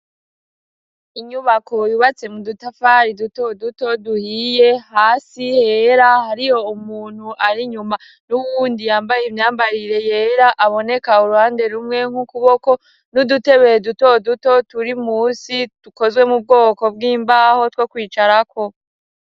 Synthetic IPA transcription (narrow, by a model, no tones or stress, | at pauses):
iɲuβakʰo̞juβat͡se̞mudutafaɾiduto̞duto̞duhije̞haːsihe̞ɾahaɾijo̞umuːn̥huʔaɾiɲuma | nuβuːndijaːmbajemɲaːmbaɾiɾe̞jeːɾaʔaβo̞ne̞kauɾuhaːnde̞ɾumŋe̞ŋ̥hukuβo̞ko̞ | nudute̞βejedutoduto̞tuɾimusid̥uko̞zwe̞mub̚ɡo̞ːko̞bɡiːmbaho̞twoːkwiːt͡ʃaɾakʰo̞